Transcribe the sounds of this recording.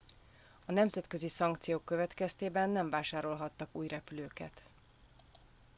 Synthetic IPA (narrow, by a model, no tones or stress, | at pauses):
ɒnɛmzɛt̪kø̞zisɒŋkt̪sijoːkːø̞vɛt̪kɛst̪eːbɛnːɛɱvaːʃaːɾo̞lɦɒt̪ːɒkuːjrɛpyløːkɛ̰t̪